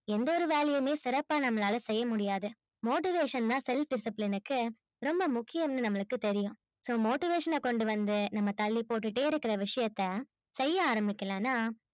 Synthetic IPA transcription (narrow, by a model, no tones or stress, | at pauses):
ɛnd̪ɔɾɯʋeːlɐjɐmeːsɪɾɐpːaːnɐmːɐlaːlɐsɛjːɐmʊɽɪjaːðɯ | moːʈɪʋeːʂɐnt̪ãːsɛlfɖɪsɪplɪnɯkːɯ | ɾɔmbɐmʊkːɪjɐmnɯnɐmːɐɭɯkːɯt̪ɛɾɪjʊ̃ | soːmoːʈɪʋeːʂɐnɐkɔɳɖɯʋɐnd̪ɯnɐmːɐt̪ɐlːipoːʈːɯʈːeːɪɾɯkːɪɾɐʋɪʂɐjɐt̪ːɐ | sɛjːɐaːɾɐmbɪkːɐlɛ̃ːnːaː